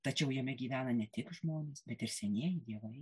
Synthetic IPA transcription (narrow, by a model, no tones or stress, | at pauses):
t̪ɐt͡ʃʲɛʊjɛmʲɛɡʲiːʋʲæːnɐnʲɛt̪ʲɪkʒmoːnʲeːsbʲɛt̪ɪɾsʲɛnʲeɛjd̪ʲiɛʋɐɪ